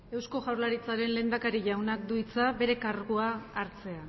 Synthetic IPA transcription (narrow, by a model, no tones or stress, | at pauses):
e̞wsko̞ʝawɾlaɾit͡saɾe̞nle̞ːnd̪akaɾiʝawnak̚d̪uit͡sabe̞ɾe̞kaɾɣuaːɾt͡se̞a